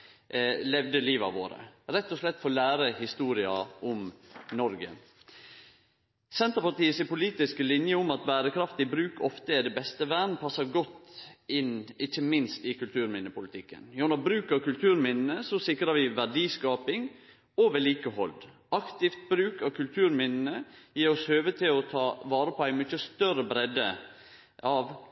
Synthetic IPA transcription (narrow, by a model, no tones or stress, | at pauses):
lɛʋd̪əliːʋɑ̰ʋo̰ːɾə̰ɾɛt̪ːɔslɛt̪ːfɔlæːɾəhɪst̪uːɾɪɑ̰ʊmnɔɾɡə̰ | sɛnt̪əpɑʈ̪iːəsɪpʊliːt̪ɪsklɪnjəʊmɑt̪bæːɾəkʰɾɑft̪ɪbɾʉːkɔft̪əɛd̪ɛbɛst̪əʋæːɳn̩pʰɑsːəɾɡɔt̪ːɪnɪçːəmɪnst̪ɪkʉlt̪ʰʉːɾmɪnːəpʊlɪt̪ʰɪkːə̰njʊnɑbɾʉːkɑkʉlt̪ʰʉːɾmɪnn̩əsɔsɪkɾəʋɪʋæɖiːskɑːpɪŋ | oʋɛliːkəhɔ̰ld̪ | ʔɑkt̪ɪft̪̚bɾʉːkɑʋkʰʉlt̪ʰʉːɾmɪnn̩əjiːɾɔshøːʋəd̪̚t̪ːɪlɔt̪ʰɑːʋɑːɾəpʰɔæɪmʏçəst̪œɾəbɾɛd̪ə̰ | ɑʋ